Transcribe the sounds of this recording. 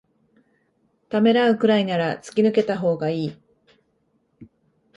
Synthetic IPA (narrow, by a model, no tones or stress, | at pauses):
t̪ame̞ɾaɯ̟kɯ̟ɾainaɾat͡sɨ̥kʲinɯ̟ke̞t̪aɦo̞ːɡaiː